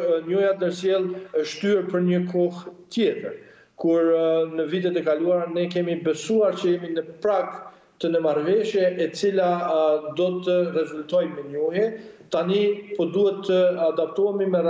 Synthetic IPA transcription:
ɲujat̪nəɾsjɛlˠəʃt̪yɛɾpəɾɲəkʰɔht̪jɛt̪əɾ | kuɾnəvit̪̬ɛt̪ɛkaluaɾnɛkɛmibɛsuaɾt͡ɕəjɛminəpɾaɡ | t̪ənəmaɾvɛʃjɛʔɛt͡silad̪ɔt̪ərɛzult̪ɔjmɛɲɔhɛt̪anipɔd̪uhɛt̪ʰːəad̪ap̚t̪ɔɛmimɛɾa

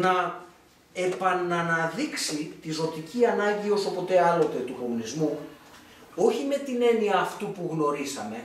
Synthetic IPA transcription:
nɐ | e̞pɐnɐnɐðiksit̪izo̞t̪iciɐnɐɲɟio̞so̞po̞t̪e̞ɐlo̞t̪e̞t̪uko̞munizmu | o̞çime̞t̪ine̞niɐːft̪upuɣno̞ɾisɐme̞

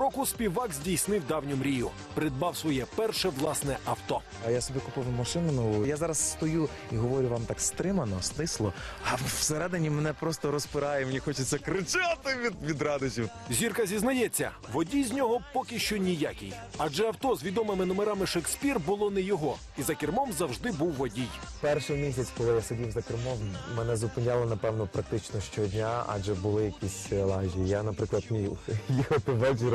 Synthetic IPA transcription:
ɾɔkʊsʲpʲiwɑkzʲdʲijsnɪwd̪ɑwnʲɔmɾʲijʊ | pɾɪd̪̚bɑwsʋɔjɛpɛrʃɛʋlˠɑsnɛʔɐwt̪ɔ | ɐjasɔbʲikʊpɪwmɐʃɪnʊnʊjazɑɾɐsːt̪ɔju | iɦɔʋɔɾʲʊʋɑmt̪ɑkst̪ɾɪmɐnɔst̪ɪslˠɔɐseɾɛd̪enʲimenɛpɾɔst̪ɔɾɔspɪɾɑjɛmnʲixɔt͡ʃɪt͡sʲːɐkɾɪt͡ʃat̪ɪʋʲid̪ʋʲid̪ɾɑd̪ʊt͡ʃʲiw | zʲirkɐzʲiznɐjɛt͡sʲːɐ̰ | ʋɔdʲijzʲnʲɔɦɔpɔkʲɪʃt͡ʃɔnʲijakʲɪ̰j | ɐd͡ʒɛɐwt̪ɔzʋʲid̪ɔmɪmɪnɔmeɾɑmɪʃeksʲpʲirbʊlˠɔnɛjɔɦɔ | izɐkʲɪrmɔmzɐwʒd̪ɪbuwːɔdʲij | pɛrʃɪmʲis̬ʲɐt͡sʲkɔlˠɪjasedʲiwzɐkʲɪrmɔmmɛnɛzʊpɪnʲalˠɔnɐpɛwnɔpɾɐk̚t̪ɪt͡ʃnɔʃt͡ʃɔdʲnʲaa̰d͡ʒɛbʊlˠɪjɐkʲisʲlˠaʒʲijijanɐpɾɪklˠɐd̪mʲijjixɔt̪ɪʋɛt͡ʃɪɾ

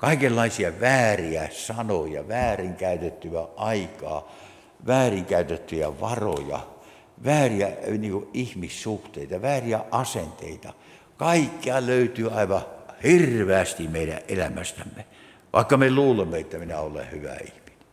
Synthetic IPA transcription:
kɑikelːɑisiɑʋæːriæsɑnojɑ̰ʋæːriŋkæyt̪et̪ːyæʔɑikɑ̰ː | ʋæːriŋkæyt̪et̪ːyjæ̰ʋɑro̰jɑ̰ | ʋæːriæniːŋkuʔʔihmissuht̪eit̪ɑʋæːriæʔɑsent̪ḛit̪ɑ | kɑikːiɑløyt̪yːɑiʋɑhirʋeæst̪imeiɾæ̰ʔʔelæmæst̪æmːe | ʋʔɑ̰ikːɑmeluːlemːeet̪ːæminæolḛhyʋæ̰ḭhmi̥ne̥

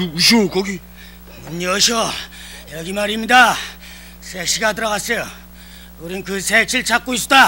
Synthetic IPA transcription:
uɕ̬okʌɡi | munɲeʌɕʌ | jʌɡimaɾimɲida | sʰeɕʰiɡadɯɾʌɣas͈ʌjo | oɾinkɯsʰek̚ɕʰiɭt͡ɕʰak͈ois͈o̥da

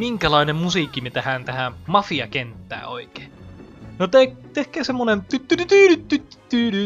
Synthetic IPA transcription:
miŋkælɑinemmusiːkːimet̪æhænt̪æhæmɑfiɑ̰kent̪ːæ̰ːoike̥ːnot̪ekt̪ehkæːsemːonent̪yt̪ːynyt̪yːnyt̪ːyt̪ːy̥t̪ːyːny

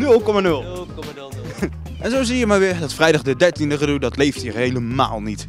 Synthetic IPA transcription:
nɵlˠkɔmanɵlˠ | ʔɛnzowzijəmaːɹʋɪːɹdɑtfrɛjdɑχdədɛɹtindəχədudɑtlejftɦiːɹɦejləma̰ːlˠnit

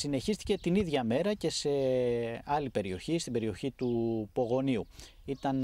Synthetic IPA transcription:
sine̞çist̪i̥ce̞t̪iniðʝɐme̞ɾɐce̞se̞ | ɐlipe̞ɾio̞çist̪imbe̞ɾio̞çit̪upo̞ɣo̞niu | it̪ɐn

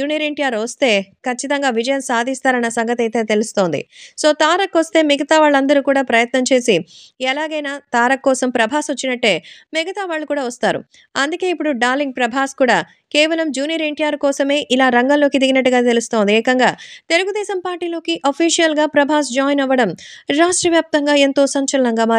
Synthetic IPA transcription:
d͡ʒuːnijɐɾeɳʈijaːɾʋɐst̪e̞ːkɐt͡ʃːit̪ɐŋɡaːʋid͡ʒɐjɐmsaːd̪ʱist̪aːɾɐnːɐsɐŋɡɐt̪ɐjt̪e̞ːt̪e̞lust̪o̞ːnd̪ḭso̞ːt̪aːɾɐkːʋɐst̪e̞ːmiɡɐt̪aːʋaːɭːɐnd̪ɐɾuːkuːɽaːpɾɐjɐt̪nɐmt͡ʃe̞ːsiɛlaːɡɐjnaːt̪aːɾɐkːɔːsɐmpɾɐbʱaːsʋɐt͡ʃːinɐʈːe̞ːmɛɡɐt̪aːʋaːɭːukuːɽaːʋɐst̪aːɾṵ | ɐnd̪uke̞ːipːuɽuɖaːliŋɡ̚pɾɐbʱaːskuːɽaː | keːʋɐlɐmd͡ʒuːnijɐɾeɳʈijaːɾkɔːsɐme̞ːʔilaːɾɐŋɡɐlːo̞ːkid̪iɡinɐʈːuɡaːt̪e̞lust̪o̞ːnd̪iɛːkɐŋɡaːt̪e̞luɡud̪ɛːsɐmpaːɾʈiːlo̞ːkiʔɐpʰiːʂijɐlɡaːpɾɐbʱaːs̬d͡ʒaːjnɐʋːɐɽɐmɾaːʂʈɾɐʋjaːp̚t̪ɐŋɡaːe̞nt̪o̞ːsɐɲt͡ʃɐlɐnɐŋɡaːmaː

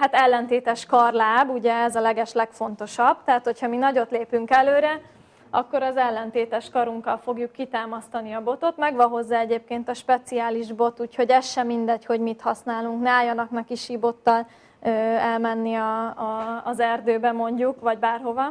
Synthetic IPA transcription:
hat̪ɛlːɛnt̪eːt̪ɛʃkɒrlaːbuɟɛɛzɒlɛɡɛʃlɛkfo̞nt̪o̞ʃɒbt̪ɛɦat̪ho̞chɒminɒɟo̞t̪leːpyŋkɛløːɾɛ | ɒkːo̞ɾɒzɛlːɛnt̪eːt̪ɛʃkɒɾuŋkɒlfo̞ɡjukːit̪aːmɒst̪ɒniɒbo̞t̪o̞t̪mɛɡʋɒɦo̞zːaːɛɟeːp̚keːnt̪ɒʃpɛt̪siaːliʒbo̞t̪uːcho̞ɟɛʃːɛmind̪ɛcho̞ɟmit̪hɒsnaːluŋknɛaːjːɒnɒknɒkiʃibo̞t̪ːɒl | ɛlmɛnːiɒː | zɛrd̪øːbɛmo̞ɲɟukvɒɟbaːrɦo̞vɒ

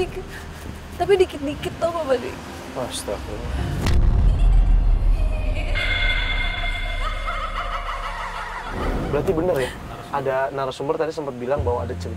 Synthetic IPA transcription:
ikɪt̪ | t̪apidikɪt̪̚dikɪt̪ːohbabadḭ | ast̪afina | bəɾat̪ibənərja | adanaɾasumbərt̪adisəmpat̪̚bilaŋbawaːdat͡ʃər

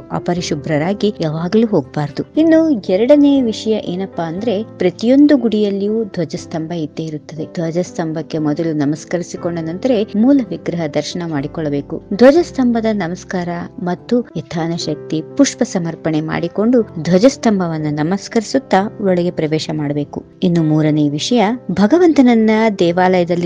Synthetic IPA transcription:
ɐ̰pɐɾiʃubʱɾɐɾaːɡijaːʋaːɡɐluːɦoːɡ̚baːɾɐd̪uinːuɛɾɐɽɐneːɐʋiʂɐjɐʔeːnɐpːaɐnd̪ɐɾe̞pɾɐt̪ijo̞nd̪uɡuɽijɐlːijuːd̪ʱʋɐd͡ʒɐst̪ɐmbʱɐid̪ːeiɾut̪ːɐd̪e̞d̪ʱʋɐd͡ʒɐst̪ɐmbʱɐkːe̞mɔd̪ɐlunɐmɐskɐɾisiko̞ɳɖenɐnd̪ɐɾe̞muːlɐʋiɡɾɐɦɐd̪ɐɾʃɐɳɐmaːɽikɔɭːɐbe̞ːkṵd̪ʱʋɐd͡ʒɐst̪ɐmbʱɐd̪ɐnɐmɐskaːɾɐmɐt̪ːujɛt̪ʰaːnɐʃɐk̚t̪ipuʂpɐsɐmɐɾpɐɳe̞ma̰ːɽiko̞ɳɖud̪ʱʋɐd͡ʒɐst̪ɐmbʱɐʋɐnːunɐmɐskɐɾisut̪ːɐɔɭɐɡe̞pɾɐʋɛːʃɐmaːɽɐbe̞ːku | inːumuːɾɐneʋiʂɐjɐbʱɐɡɐʋɐnt̪ɐnɐnːɐd̪ɛːʋaːlɐjɐd̪ɐlːi

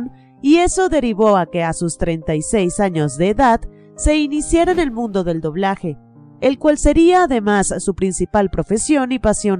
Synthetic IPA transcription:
n | ie̞so̞ðe̞ɾiβo̞ake̞asust̪ɾe̞nt̪ajse̞jsaɲo̞zðe̞ːðað | se̞inisjaɾane̞lmũnd̪o̞ðe̞ld̪o̞β̞laxe̞ː | lkwalse̞ɾiaːðe̞masːupɾinsipalpɾo̞fe̞sjo̞nipasjo̞n

